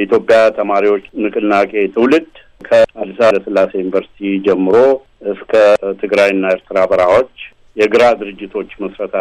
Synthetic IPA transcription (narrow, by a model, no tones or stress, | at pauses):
it̪jo̞pʼːjat̪ʰəmaɾiwo̞t͡ʃːnɨkʼɨnnakʼe̞t̪ʰɨwlɨd̪ | kʰəad̪isaəsɨlːasejunivəɾsi̥t̪ʰid͡ʒɛmːɨɾo̞ | ʔɨskʰət̪ʰɨɡɾajɨnːaeɾt̪ʰɨɾabəɾawo̞t͡ʃː | jɛɡɨɾad̪ɨɾɨd͡ʒːɪt̪ʰo̞t͡ʃːməsɾət̪ʰa